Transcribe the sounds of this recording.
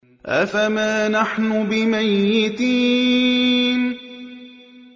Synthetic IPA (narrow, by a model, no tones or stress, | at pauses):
ʔafamaːnaħnʊbɪmajːɪt̪iː | n